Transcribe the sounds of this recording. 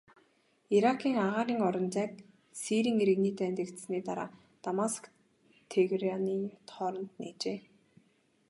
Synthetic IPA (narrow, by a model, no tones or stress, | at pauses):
iɾakʰiːŋaʁaːɾiːŋɔɾɞ̆nt͡sæːk̚ | siɾiːŋeɾɘ̆ɣniːt̪æːnt̪ɘ̆kt̪sniːt̪aɾa̰ː | t̪amask | t̪ʰeɣraniːt̪ʰɔːɾɞ̆nt̪neːt͡ɕeː